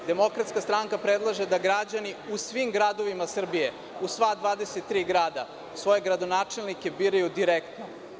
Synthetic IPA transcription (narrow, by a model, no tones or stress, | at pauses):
d̪e̞mo̞kɾat̪skast̪ɾaŋkapɾe̞d̪lˠaʒed̪aɡɾad͡ʑaniusʋimɡɾad̪o̞ʋimasr̩bije̞ | usʋaːd̪ʋaːd̪e̞set̪ːɾiːɡɾaːd̪a | sʋo̞je̞ɡɾad̪onaːt͡ʂe̞lˠnike̞biːɾajud̪iɾekt̪no